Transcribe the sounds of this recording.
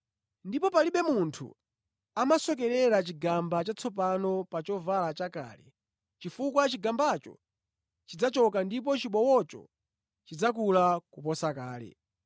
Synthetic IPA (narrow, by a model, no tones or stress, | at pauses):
ndipɔpaliɓɛmuntʰṵ | amasɔk̬ɛɾɛɾat͡ʃiɡambat͡ʃat͡sʰɔpanɔpat͡ʃɔvalat͡ʃaka̰ːlɛ̰ | t͡ʃifukwat͡ʃiɡambat͡ʃɔ̰ | t͡ʃid͡zat͡ʃɔkandip̬ɔt͡ʃiɓɔwɔt͡ʃɔ̰ | t͡ʃid͡zak̬ulakupɔsakaːlɛ̰